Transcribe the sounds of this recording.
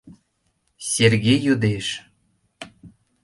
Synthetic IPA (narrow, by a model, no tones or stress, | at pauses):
sʲerɣʲejud̪eʃ